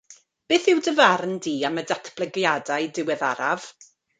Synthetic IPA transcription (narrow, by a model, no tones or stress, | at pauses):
b̥eːθɪwdəvarndiːamədatʰb̥ləɡjadaɨdɪwɛðaɾa̰v̥